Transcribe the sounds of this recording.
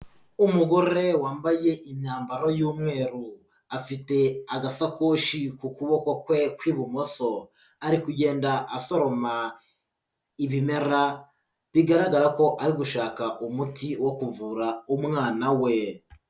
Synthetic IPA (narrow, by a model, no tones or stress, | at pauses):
umuɡo̞ɾe̞waːmbaje̞ʔiɲaːmbaɾo̞juːmŋe̞ːɾu | afite̞aɡasakoːʃikukuβo̞ko̞kwe̞kwiːβumo̞so̞ | aɾikuɟe̞ːndaʔaso̞ɾo̞ma | iβime̞ɾa | βiɡaɾaɡaɾako̞ʔaɾiɡuʃaːkaʔumutiwo̞kuvuɾaumŋaːnawe̞